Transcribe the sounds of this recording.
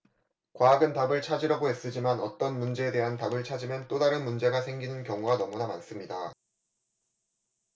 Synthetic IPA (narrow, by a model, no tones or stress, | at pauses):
kwaːɡɯntabɯɭt͡ɕʰad͡ʑiɾʌɡoɦe̞s͈ɯd͡ʑimanʌ̰t͈ʌnmund͡ʑe̞ːde̞ɦantabɯɭt͡ɕʰad͡ʑimjʌnt͈odaɾɯnmund͡ʑe̞ɡasʰe̞ŋɡinɯnkjʌŋuɡanʌmunamans͈ɯmɲida